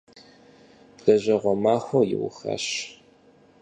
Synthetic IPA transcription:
d̥ɐʑɐʁʷɔmaːxʷojɪ̰wʊxɐ̰ɕ

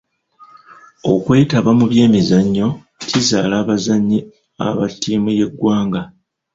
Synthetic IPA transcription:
okweːitaβamuβje̞ːmizaɲːo̞ | cizaːlaːβazaɲːi | a̰βatːiːmuje̞ɡːwaːŋɡa

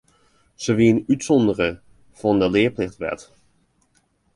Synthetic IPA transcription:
z̥oʋiənytsɔndərə | v̥ɔndəlɪːplɪχtʋɛ̰t

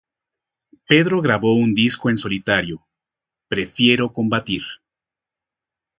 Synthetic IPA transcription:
pe̞ðɾo̞ɣɾaβo̞und̪isko̞e̞nso̞lit̪aɾjo̞ | pɾe̞fje̞ɾo̞ko̞mbat̪iɾ

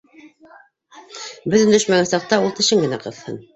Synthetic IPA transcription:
bɵ̆ðɵnd̪ɵ̆ʃmæɡænsɑq̚t̪ɑulˠt̪ɘ̆ʃɘŋɡɘ̆næqɤ̆ðhɤ̰n

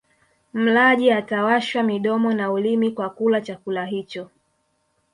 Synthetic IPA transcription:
m̩laʄiatawaʃwamiɗɔmɔnaulimikwakulat͡ʃakulaɦit͡ʃɔ

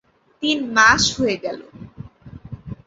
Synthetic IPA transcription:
t̪inmaʃɦoeɡɛlo̰

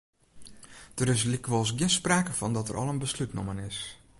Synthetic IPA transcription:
d̥əɾɪs̬likʋolˠs̬ɡjɪnspraːkəfɔndɔtə̰rʔɔ̰lˠənbəslytno̰mənɪs

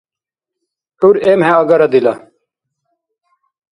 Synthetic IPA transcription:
ʈuɾeːmɦɛ̃ɐɡɐɾɐd̪ila

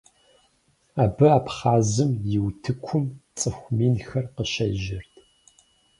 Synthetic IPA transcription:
aːbɨaːpχɑːzɨmjɪwtʰɨkʷʰʊmt͡sʼɨxʷmiːnxɐrqəʃɐ̰ʒɪrtʰʼ

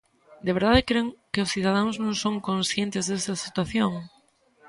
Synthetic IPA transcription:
d̪eβeɾð̞aðɪkɾeŋkɪʊsθiðað̞anʊznõŋsõŋkõnsθjent̪ɪzðesɐsit̪waθjoŋ

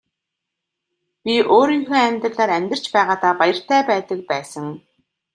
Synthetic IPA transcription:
pʲiʔoːɾiːŋxoːæmʲt̪ə̆ɮaːɾæmʲt̪ə̆r̥t͡ɕpæːʁaːt̪aːpajə̆r̥t̪ʰæːpæːt̪ə̆k̚pæːsə̆ŋ

